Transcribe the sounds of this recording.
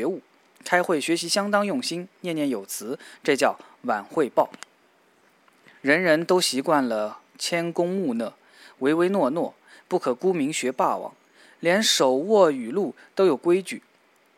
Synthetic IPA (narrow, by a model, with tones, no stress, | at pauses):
ɛ˧˥u˥˩ | kʰa˥ɪxwe˥˩ɪɕɥɛ˧˥ɕi˧˥ɕjɑ˥ŋt̪ɑ˥ŋjʊ˥˩ŋɕi˥nnjɛ˥˧njɛ˥˩njo˨˩ʊt͡sʰɹ̩˧˥ʈ͡ʂɤ˥˧t͡ɕjɑ˥˩ʊ | wa˨˩nxwe˥˧ɪpɑ˥˩ʊ | ɻə˧˥nɻə˧˥nt̪o˥ʊɕi˧˥kwa˥˩nlə˩ | t͡ɕʰjɛ˥nkʊ˥ŋmu˥˩nə˩ | we˧˥ɪwe˥ɪnwɔ˥˧nwɔ˥˩ | pu˥˩kʰɤ˨˩ku˥mi˧˥ŋɕɥɛ˧˥pa˥˩wɑ̰˨˩˦ŋ | ljɛ˧˥nʂo˨˩ʊwɔ˥˩y˨˩lu˥˩ | t̪o˥ʊjo˨˩ʊkwe˥ɪt͡ɕy̰˨˩